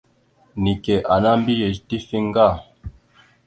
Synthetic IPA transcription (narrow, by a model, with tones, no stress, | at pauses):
ni˨kɛ˨ʔa˨na˦m̩˦bi˦je˨ti˦fi˦ŋ˦ɡa˦˨